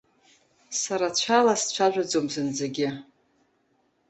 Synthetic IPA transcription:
saɾat͡ɕʷʰalast͡ɕʷʰaʒʷᶣad͡zomzɨnd͡zeɡʲɪ

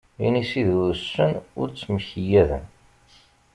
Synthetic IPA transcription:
ḭnisiðuɾsːənʊ̰ɾt͡sːməçəjæðə̰n

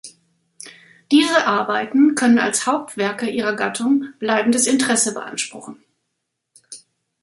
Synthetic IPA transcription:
d̥iːzəʔaɐbaɪtn̩kʰœnəna̰lshaʊp̚tv̥ɛɐkəʔiːʁɐɡatʰʊŋb̥laɪbm̩dəsɪntəʁ̥ɛsəbəʔa̰nʃpʁ̥ʊχn̩

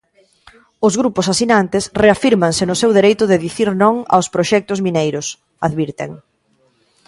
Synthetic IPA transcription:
ʊzɣɾupʊsasinant̪ɪsreafiɾmaŋsɪnʊsewðeɾejt̪ʊðeðiθiɾnõŋa̰wspɾoʃɛk̚t̪ʊzminejɾʊs | aðβiɾt̪ḛŋ

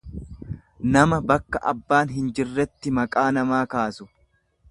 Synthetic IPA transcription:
nɐmɐbɐkːɐʔɐ̰bːaːnɦɪnd͡ʒɪrːɛt̪ːɪmɐkʼaːnɐmaːkaːsʊ

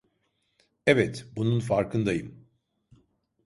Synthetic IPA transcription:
ɛvɛt̪bununfaɾkʰɯnd̪ajɯm

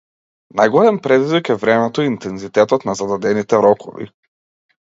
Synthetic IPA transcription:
najɡɔlɛmpɾɛd̪izvikɛvɾɛmɛt̪ɔint̪ɛnzit̪ɛt̪ɔt̪nazad̪ad̪ɛnit̪ɛɾɔkʰɔ̰vḭ

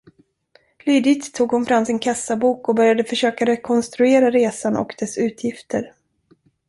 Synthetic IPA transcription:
lyːd̪ɪkt̪ʰːuːɡhʊnfɾamsɪnkʰasːabuːkɔbœɾjad̪əfœʂøːkaɾɛkʰɔnst̪ɾɵeːɾaɾeːsanɔ̰kd̪̥ɛsʉ̟ːt̪ʰjɪft̪ʰəɾ

